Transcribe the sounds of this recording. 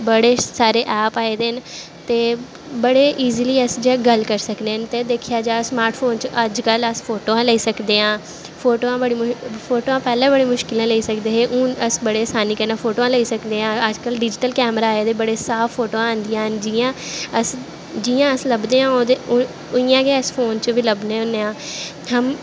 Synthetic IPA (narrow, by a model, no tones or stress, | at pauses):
bəɽeːsaːɾeːʔɛːpaːeːd̪eːən | t̪eː | bəɽeːʔiːziːliːəsd͡ʒɡəlkəɾsəkd̪eːɦənt̪eːd̪eːkʰɪjaːd͡ʒaːsmaːɾʈfʰoːnt͡ʃʔəd͡ʒkələsfʰoːʈoːãːləiːsəkd̪eːãː | pʰoːʈoːãːbəɽiːpʰoːʈoːãːpɛːlãːbəɽeːmʊʃkɪlãːləiːsəkd̪eːɦeːʔũːəsbəɽeːsaːniːkəɾnãːfʰoːʈoːãːləiːsəkd̪eːãːəd͡ʒkəlɖɪd͡ʒɪʈəlkɛːmɾaːeːd̪eːbəɽeːsaːpʰːoːʈoːãəːnd̪ijãːɦənd͡ʒiːãːəs | d͡ʒiːãːəsləbd̪eːãːoːd̪e | ʊɪjãːɡeəspʰoːnt͡ʃʋiləbneːʊnːeːãː | həm